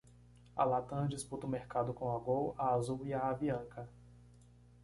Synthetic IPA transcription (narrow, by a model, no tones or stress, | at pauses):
a̰lat̪ɐ̃d͡ʒisput̪ɐʊmeɾkad̪ʊkõaɡowaazuwiaaviɐ̃kɐ